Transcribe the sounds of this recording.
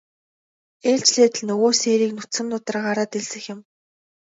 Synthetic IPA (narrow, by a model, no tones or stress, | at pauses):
eːɮt͡ɕɮeːt̪ɘ̆ɮnɵɣoːseːɾiːknʊt̪sɘ̆mnʊt̪ə̆rɢaɾaːt̪eɮsɘ̆xjɪ̆m